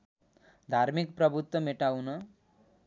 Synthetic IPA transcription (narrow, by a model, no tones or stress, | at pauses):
d̪ʱaɾmikprʌbʱut̪wʌmeʈawnʌ